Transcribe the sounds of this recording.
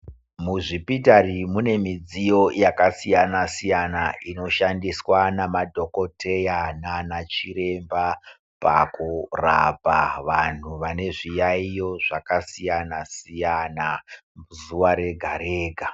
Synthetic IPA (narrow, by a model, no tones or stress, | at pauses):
muʐipitarimune̞mid͡zijo̞jakasijanasijanaʔino̞ʃandiswanamadʱo̞ko̞tʰe̞jananat͡ʃiɾe̞mba | pa̰kura̰paʋan̤uʋane̞ʐijaijo̞ʐakasijanasijanamuzuʋaɾe̞ɡʱaɾeːɡʱa